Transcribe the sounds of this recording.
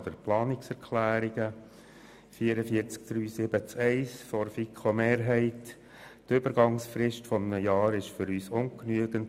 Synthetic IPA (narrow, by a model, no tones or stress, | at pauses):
d̪əɾplɑːnɪksɛɾkʰlæːɾiɡ̥ə | fiːəɾəfiəɾt͡sk̚d̥ɾyːsɪb̥ət͡sɛɪsfɔɾfikʰomeːɾɦɛɪt | tøbəɾɡɑŋsfɾɪʃtfɔmnəjɑːɾɪʃfʏɾyːsʊŋknyəɡ̥ənt